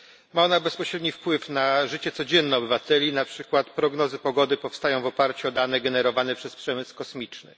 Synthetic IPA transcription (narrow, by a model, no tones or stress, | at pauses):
maɔnabɛspɔɕɾɛd̪ɲifpwɘfnaʐɘt͡ɕɛt̪sɔd͡ʑɛnːɛɔbɘvat̪ɛlʲinapʂɘkwat̪pɾɔɡnɔzɘpɔɡɔd̪ɘpɔfst̪ajɔ̃w̃vɔpaɾt͡ɕuɔd̪anɛɡɛnɛɾɔvanɛpʂɛspʂɛmɘskɔsmʲit͡ʂnɘ̰